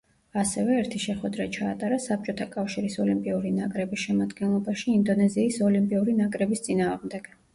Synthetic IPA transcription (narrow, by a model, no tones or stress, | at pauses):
asɛvɛːɾt̪ʰiʃɛχwɛd̪ɾat͡ʃʰaːt̪ʼaɾasap̚t͡ʃʼɔt̪ʰakʼafʃiɾisɔlimpʼiuɾinakʼɾɛbisʃɛmad̪ɡɛnlˠɔbaʃiːnd̪ɔnɛziːsɔlimpʼiuɾinakʼɾɛbist̪sʼinaːʁmd̪ɛɡ̥